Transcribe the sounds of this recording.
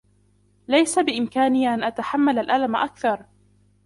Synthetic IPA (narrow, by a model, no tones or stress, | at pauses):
lajsabɪʔɪmkaːnɪːʔanʔat̪aħamːalalʔalamʔakθɑɾˤ